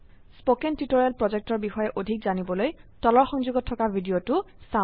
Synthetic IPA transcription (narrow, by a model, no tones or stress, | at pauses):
spokɛntitoɹijalpɹɔzek̚tɔɹbixɔjɛʔodʱikzanibɔlojtɔlɔɹxɔŋzuɡɔtʰːɔkabʱidijotʊ | sa